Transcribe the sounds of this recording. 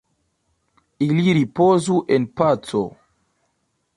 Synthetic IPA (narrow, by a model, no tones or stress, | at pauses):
iliɾipozuʔenpat͡so